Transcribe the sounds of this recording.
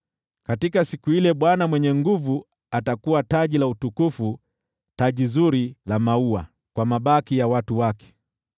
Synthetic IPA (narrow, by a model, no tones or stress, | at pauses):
katikasikuilɛɓwanamwɛɲɛŋɡuvu | atakuwataʄilautukufu | taʄizuɾilamaua̰ | kwamaɓakijawatuwakɛ̥